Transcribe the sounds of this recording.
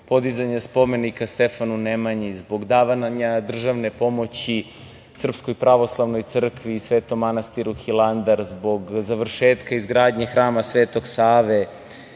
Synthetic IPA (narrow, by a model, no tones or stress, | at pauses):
po̞d̪izaɲaspo̞me̞nikast̪efanunemaɲizbo̞ɡd̪aːʋanaɲad̪r̩ʒaʋne̞po̞mo̞t͡ɕi | sr̩pskojpɾaʋo̞slˠaʋnojt̪sr̩kʋiːsʋeːt̪o̞mːanast̪iɾuxilˠand̪aɾzbo̞ɡzaʋr̩ʃeːt̪kaizɡɾaːd̪ɲexɾaːmasʋeːt̪o̞ɡsaːʋe